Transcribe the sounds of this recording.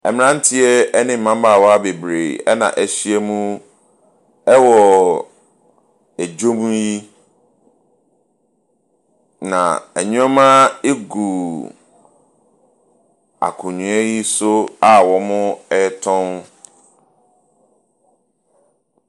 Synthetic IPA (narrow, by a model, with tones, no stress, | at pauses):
ɛ̰˨mɪ̃˦˨ã˦n̩˦tʰɪ˦ɛ˦ɛ˦nɪ̃˦m̩ː˨ã˦mba˨wɔ˦a˦be˨bɾe˨ɛ̰˦nã̰˨ʔɛ˨ɕi˦ɛ˦mũ˦ | ɛ˦wɔ˨ | æ˨d͡ʑo˦mũ˦ji˦ | nã̰˨ɛ˨ɲũ˦a˦mã˦e˦ɡu˨ | a̰˨kʰʊ̃˨ɲũ˨ɛ˦ji˦sʊ˦a˦wɔ˨mʊ̃˦ɛ˦tʰɔ̃˦n